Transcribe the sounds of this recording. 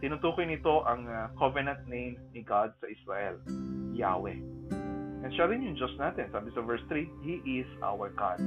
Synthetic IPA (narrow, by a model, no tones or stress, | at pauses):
t̪ɪnʊt̪uːkojnɪt̪o̞ʔɐŋkʰɔvɛnɐ̃nt̪̚nẽjmnɪɡad̪̚sɐʔɪsɹaʔɛ̰lja̰ːwɛ̰ | ʔɛnʃalɪnjʊŋd͡ʒosnaːt̪ɛnsaːbɪsɐvɛɹst̪ɾihiʔɪsʔa̰wəɹɡa̰d̪̥̚